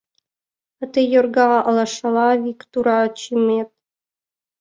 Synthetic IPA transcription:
ə̆t̪ejorɡɑʁɑʔɤ̆lˠɑʂɑlˠɑvʲikt̪uɾɑt͡ɕimet̪̚

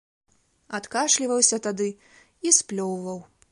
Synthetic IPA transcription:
at̪kaʂlʲivɐwsʲɐt̪ad̪ɨ | isplʲɔwvɐw

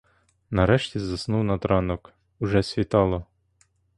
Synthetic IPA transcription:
nɐɾɛʃtʲizɐsnuwnɐt̪ɾɑnɔk | ʊʒɛsʲʋʲit̪ɑlˠɔ

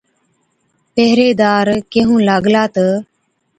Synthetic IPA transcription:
peɦɾeːd̪aːɾkeːɦũːlaːɡlaːt̪ə

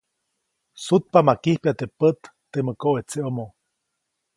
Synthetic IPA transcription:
sut̪̚pamakihpiat̪epət̪ːeməkoʔet͡seʔomo

